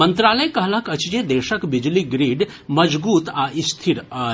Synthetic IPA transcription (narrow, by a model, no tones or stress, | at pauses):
ənt̪ɾaːləjkəɦləɦkɐt͡ʃd͡ʒed̪eːʃəkbid͡ʒliɡɾiːɖ | məd͡ʒbuːt̪aʔist̪ʰiɾə